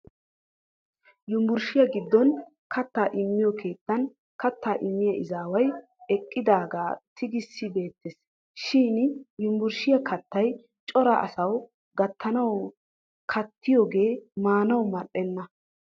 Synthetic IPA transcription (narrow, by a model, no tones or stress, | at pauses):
jʊmbʊɾʃɪjɐɡɪd̪ːɔn | kʰɐt̪ːaːʔɪmːɪjɔkʰe̞ːt̪ːɐn | kɐt̪ːaːʔɪmːɪjɐʔɪzaːwɐj | ɛkʼːɪd̪aːɡaːt̪ʰɪɡɪsːɪbe̞ːt̪ːɛs | ʃiːnjʊmbʊɾʃɪjɐkʰɐt̪ːɐj | t͡ʃʼɔɾɐʔɐ̰sɐw | ɡɐt̪ːɐnɐw | kʰɐt̪ʰːɪjɔːɡe̞ːmaːnɐwmɐɗɛnːɐ